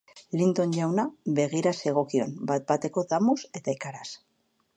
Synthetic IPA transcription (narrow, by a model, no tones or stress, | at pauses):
lint̪o̞nʎawnaβe̞ɣ̞iɾase̞ɣ̞o̞kio̞nbat̪̚bat̪e̞ko̞ðamuse̞t̪aikaɾas